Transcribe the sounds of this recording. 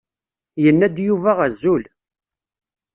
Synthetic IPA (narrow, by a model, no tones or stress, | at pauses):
jənːæd̪juvæʁæzːul